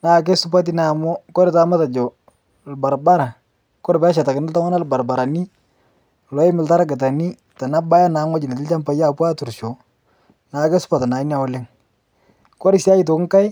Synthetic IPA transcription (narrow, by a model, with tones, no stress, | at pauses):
na˨k̬e˦sʊ˦pa˦t̬i˦na˨mɔ˦kɔ˦ɾɪ˨ta˦ma˦ta˨d͡ʒɔ˨ | lba˨ɾba˦ɾa˨ | kɔ˦ɾbɛ˦ʃ̬a˨ta˨kɪ˨nɪ˦lta˦ŋa˦na˦˨lba˨ɾba˨ɾa˨ni˦˨ | lɔ˨˦ɪ˦mɪ˨lta˦ɾa˦ɡɪ˨t̬a˨ni˦ | ta˨na˦ba˦ja˦na˨˦ŋwɔ˦d͡ʒi˨na˨tɪ˦lt͡ʃa˦mpa˨ja˦˨pwa˦tu˨ɾʃɔ˨ | na˨kɛ˦sʊ̥˦pa˨ta˨na˨i˦n˦a˨ɔ˦lɪ˦ŋ | kɔ˦ɾɪ˦sja˦i˦to˨kŋ˦ka˦j